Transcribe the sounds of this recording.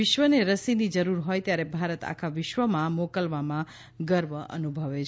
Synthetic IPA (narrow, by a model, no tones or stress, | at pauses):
ɪʃʋəneɾəsinid͡ʒəɾuɾɦojt̪jaɾebʱaɾət̪a̰kʰaʋɪʃʋəmãmokəlʋamã | ɡəɾʋəə̰nubʱəʋet͡ʃʰ